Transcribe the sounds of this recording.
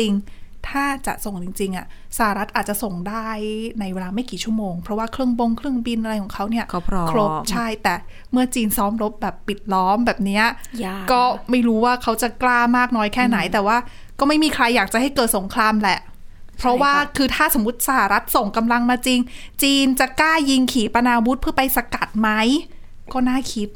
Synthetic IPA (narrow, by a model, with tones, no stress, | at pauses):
t͡ɕi˧ŋt̪ʰaː˥˩t͡ɕa̰˨˩ʔso˨˩ŋt͡ɕi˧ŋt͡ɕi˧ŋʔa˨˩ | sa˧ha˨˩ɾa˦˥t̪̚ʔaː˨˩t̪̚t͡ɕa˨˩so˨˩ŋdaː˥˩jna˧jweː˧laː˧ma˥˩jkiː˨˩t͡ɕʰu˥˩əmoː˧ŋpʰɾɔ˦˥waː˥˩kʰɾɯ˥˩əŋbo˧ŋkʰlɯ˥˩əŋbi˧nʔa˧ɾa˧jkʰɔː˩˦ŋkʰa˦˥wni˥˩ɐ˦kʰɾo˦˥pt͡ɕʰa˥˩jt̪ɛː˨˩ | mɯ˥˩ɐt͡ɕiː˧nsɔː˦˥mɾo˦˥p̚bɛː˨˩pːi˨˩t̪̚lɔː˦˥mbɛː˨˩p̚ni˦˥ɐkɔː˥˩ma˥˩jɾuː˦˥waː˥˩kʰa˦˥wt͡ɕa˨˩klaː˥˩maː˥˩k̚nɔː˦˥jkʰɛː˥˩na˩˦jt̪ɛː˨˩waː˥˩ | kɔː˥˩ma˥˩jmiː˧kʰɾa˧jːaː˨˩k̚t͡ɕa˨˩ha˥˩jkɤː˨˩t̪̚so˩˦ŋkʰɾaː˧mlɛ˨˩ʔ | pʰɾɔ˦˥waː˥˩kʰɯː˧t̪ʰaː˥˩so˩˦mːwu˦˥t̪̚sa˧ha˨˩ɾa˦˥t̪̚so˨˩ŋka˧mla˧ŋmaː˧t͡ɕi˧ŋt͡ɕiː˧nt͡ɕa˨˩kaː˥˩ji˧ŋkʰiː˩˦pa˧naː˧wu˦˥t̪̚pʰɯ˥˩ɐpa˧jsa˧ka˨˩t̪̚ma˦˥j | kɔː˥˩naː˥˩kʰi˦˥t̪̚